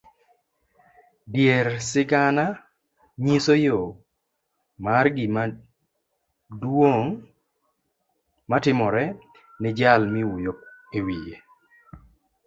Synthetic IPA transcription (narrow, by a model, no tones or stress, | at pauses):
djeɾsɪɡana | ɲisojo | marɡɪma | dwoŋ | matɪmɔɾɛ | nɪd͡ʒalmiujok̚ewije